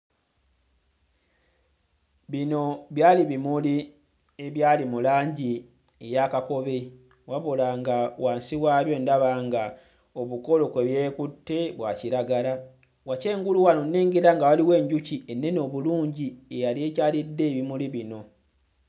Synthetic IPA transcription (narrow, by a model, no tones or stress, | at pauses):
βino̞βjaːliβimuli | eβjaːlimulaːɲɟi | ejaːkako̞βe | waβolaŋɡawaːnsiwaːβjo̞ːndaβaːŋɡa | o̞βuko̞lo̞ke̞βje̞ːkutːe̞βwaːciɾaɡala | wace̞ːŋɡuluwanonːeːŋɡeɾaŋɡawaliwe̞ːɲɟucienːe̞no̞βuluːɲɟiejalie̞ːcaːlidːe̞ːβimuliβino̞